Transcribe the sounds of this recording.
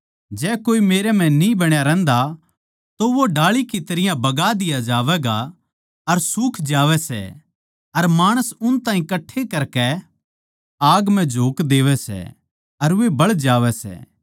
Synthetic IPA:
d͡ʒɛːkoːimeːɾɛm̤ɛ̃nĩbɐɽ̃jaɾɛ̃ːnd̪a | t̪oʋoɖaːɭikit̪ɐɾɪjãbɐɡad̪ɪjad͡ʒaːʋɛːɡa | ɐɾsuːkʰd͡ʒaːʋɛsɛ̰ | ɐɾmaːɽ̃əsʊnt̪ãːɦĩkɐʈʰːekɐɾkɛ | aːɡmɛ̃d͡ʒʱoːkd̪eːʋɛsɛ̰ | ɐɾʋebɐɭd͡ʒaːʋɛsɛ̰ː

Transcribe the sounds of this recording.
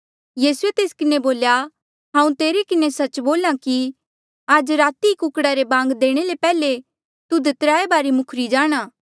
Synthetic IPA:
jiːsuet̪eːskɪneboːlja | ɦãːũt̪eːɾekɪnesɐt͡ʃboːlãki | aːd͡ʒɾaːt̪ikʊkɽaɾebãːŋɡd̪eːɽ̃elepɛːle | t̪ud̪ʱet̪ɾaːebaːɾimʊkʰɾid͡ʒaːɽ̃ãː

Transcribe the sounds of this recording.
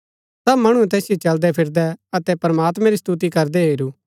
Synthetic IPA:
sɐbmɐɽ̃uɛt̪ɛːsjit͡ʃɐld̪ɛpʰɪɾd̪ɛɐt̪ɛpɾɐmaːt̪mɛ̃ɾist̪ut̪̬ikɐɾd̪ɛɦeːɾuː

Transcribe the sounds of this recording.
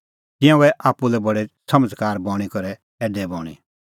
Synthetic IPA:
t̪ɪ̃jãɛʔaːpːulɛbɐɽɛsɐməd͡zkaːɾbɔ̃ːɽ̃ikɔɾɛ | ɛːɖɛbɔːɽ̃ḭ

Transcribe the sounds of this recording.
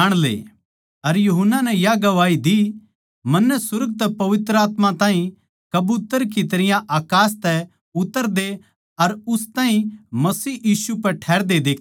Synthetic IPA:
ɽ̃lḛː | ɐɾjuɦənːanɛjaɡɐʋaːid̪i | mɐ̃nːɛsʊɾɡ̚t̪ɛpɐʋɪt̪ɾəaːt̪mãt̪ãːɦĩ | kɐbut̪əɾk̬it̪ɐɾɪjãʔaːkaːs̬t̪ɛ | ʊt̪ːəɾd̪e | ɐɾʊst̪aːɦĩmɐsiːjiːsupɛʈʰɛːɾd̪ed̪eːkʰ

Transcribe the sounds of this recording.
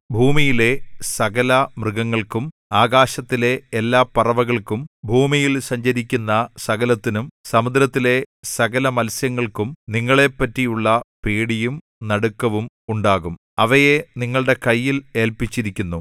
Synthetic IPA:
bʱuːmijile̞sɐɣɐlɐmrɨɣɐŋːɐɭkum | aːɣaːɕɐt̪ːile̞ːlːaːpːɐrɐʋɐɣɐɭkumbʱuːmijilsɐɲd͡ʑɐɾikʲːunːɐsɐɣɐlɐt̪ːinumsɐmud̪ɾɐt̪ːile̞sɐɣɐlɐmɐlsjɐŋːɐɭkumniŋːɐɭe̞pːɐtːijuɭːɐpeːɽijum | nɐɽukːɐʋum | uɳɖaːɣum | ɐʋɐje̞niŋːɐɭɽe̞kɐjːile̞ːlpit͡ɕːiɾikʲːunːu

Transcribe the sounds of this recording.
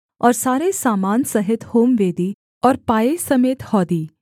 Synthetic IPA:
ɔːɾsaːɾesaːmaːnsɐɦɪt̪hoːmʋeːd̪i | ɔːɾpaːesɐmeːt̪hɔːd̪iː

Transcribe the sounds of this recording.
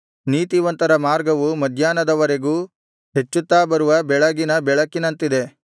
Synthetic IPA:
niːt̪iʋɐnt̪ɐɾɐmaːɾɡɐʋumɐd̪ʱjaːnɐd̪ɐʋɐɾe̞ɡuː | ɦe̞t͡ʃːut̪ːaːbɐɾuʋɐbɛɭɐɡinɐbɛɭɐkːinɐnt̪id̪e̞

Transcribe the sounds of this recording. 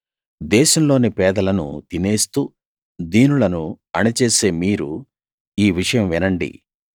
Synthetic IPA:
d̪ɛːʃɐmlo̞ːnipɛːd̪ɐlɐnṵt̪ine̞ːst̪uː | d̪iːnulɐnu | ɐnit͡ʃeːse̞ːmiːɾu | iːʋiʂɐjɐmʋinɐɳɖḭ

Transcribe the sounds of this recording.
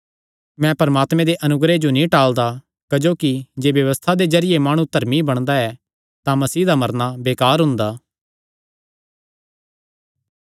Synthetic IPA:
mɛ̃pɐɾɐmaːt̪mɛ̃d̪eʔɐnʊɡɾed͡ʒonĩʈaːld̪a | kɐd͡ʒoːkid͡ʒeːʋjɐʋəst̪ʰad̪ezɐɾɪjemaːɽ̃ũt̪ɐɾmibɐɽ̃d̪aɛ | t̪ãmɐsiːd̪amɐɾnabeːkaːɾɦʊ̃nd̪aː

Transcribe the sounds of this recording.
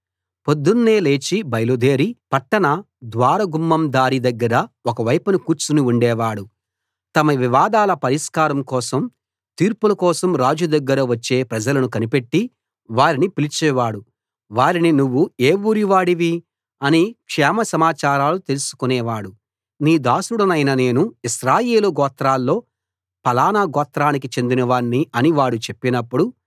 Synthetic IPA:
pod̪ːunːeːle̞ːt͡ʃibɐjlud̪e̞ːɾipɐʈːɐnɐ | d̪ʋaːɾɐɡumːɐmd̪aːɾid̪ɐɡːɐɾɐɔkɐʋɐjpɐnukuːɾt͡ʃunuuɳɖɛːʋaːɽu | t̪ɐmɐʋiʋaːd̪aːlɐpɐɾiskaːɾɐmkɔːsɐm | t̪iːɾpulɐkɔːsɐmɾaːd͡ʒud̪ɐɡːɐɾɐʋɐt͡ʃːe̞ːpɾɐd͡ʒɐlɐnukɐnipe̞ʈːi | ʋaːɾinipilit͡ʃɛːʋaːɽu | ʋaːɾininuʋːueːʋuɾiʋaːɽiʋi | ɐnikʂɛːmɐsɐmaːt͡ʃaːɾaːlut̪e̞lusu̥kunɛːʋaːɽu | niːd̪aːsuɽɐnɐjnɐne̞ːnuiʃɾaːje̞ːluɡɔːt̪ɾaːlːo̞ː | pɐlaːnɐɡɔːt̪ɾaːnik̬it͡ʃe̞nd̪inɐʋaːɳːiɐniʋaːɽut͡ʃe̞pːinɐpːuɽu

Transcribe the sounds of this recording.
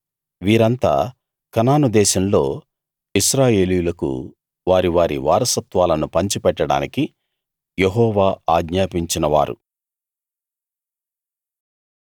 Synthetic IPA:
ʋiːɾɐnt̪a̰ː | kɐnaːnud̪ɛːʃɐmlo̞̰ː | iʃɾaːje̞ːlijulɐkṵ | ʋaːɾiʋaːɾḭʋaːɾɐsɐt̪ʋaːlɐnupɐɲt͡ʃipɛʈːɐɽa̰ːniki | jeɦɔːʋaːaːɡɲaːpiɲt͡ʃinɐʋa̰ːɾṵ

